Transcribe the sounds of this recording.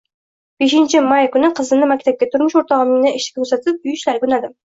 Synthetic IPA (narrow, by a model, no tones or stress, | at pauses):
b̥eʃɪnt͡ʃʰɪmajkʊnɪqʰəzɨnɪmakʲt̪ʰap̚kʲat̪ʰʊɾmʊʃoɾt̪ɒʁɨmɪŋnɪʔɪʃɪ̥kʲɪkʲʰɵzat̪ʰɪp̚ʊjt͡ʃlaɾkʲʰʊnad̪ɪm